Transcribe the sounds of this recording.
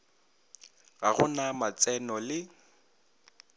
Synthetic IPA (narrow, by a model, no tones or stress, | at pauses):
ɣaɣʊnamat͡sʼɛnɔlɪ